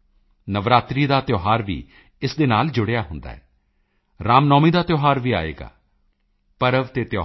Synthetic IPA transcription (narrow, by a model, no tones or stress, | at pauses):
nəʋɾaːt̪ɾiːd̪aːt̪joːɦaːɾʋḭː | ɪsd̪eːnaːld͡ʒʊɽeaːɦʊnd̪a̰ːɛː | ɾaːmnɔːmiːd̪aːt̪joːɦaːɾʋiːa̰ːḛːɡa̰ː | pəɾəʋt̪eːt̪ɪjoː